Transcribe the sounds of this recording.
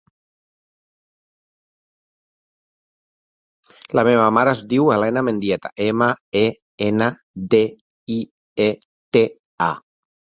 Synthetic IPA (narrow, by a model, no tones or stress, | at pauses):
lameβamaɾazd̪iwalɛnamẽnd̪jɛt̪a̰ʔemae | ena | d̪e | i | e | t̪e | a̰